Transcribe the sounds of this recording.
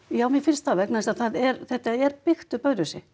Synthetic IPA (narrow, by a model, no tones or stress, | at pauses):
jaːwmjɛfɪnst̪θavɛknast̪aðθaðɛɾθɛht̪aɛɾpɪxt̪ʏpœɥɾʏsɪ